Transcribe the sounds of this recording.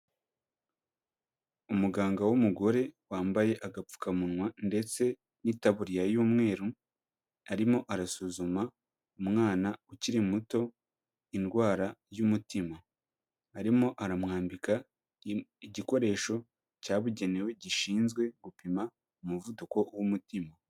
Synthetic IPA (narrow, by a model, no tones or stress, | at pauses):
umuɡaːŋɡawumuɡo̞ɾe̞waːmbaje̞ʔaɡapp͡fu̥kamunŋwande̞t͡se̞ | nitaβuɾijajuːmŋe̞ːɾu | aɾimo̞ʔaɾasuzuma | umŋaːnauciɾimuto̞ | inɡwaːɾajumutimaː | ɾimo̞ʔaɾamŋaːmbika | iɟiko̞ɾe̞ːʃo̞ | caːβuɟe̞newe̞ɟiʃiːnzɡwe̞ɡupima | umuvuduko̞wumutima